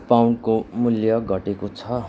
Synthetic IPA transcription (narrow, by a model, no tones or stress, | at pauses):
pawnkomuljʌɡʱʌʈekot͡sʰʌɦ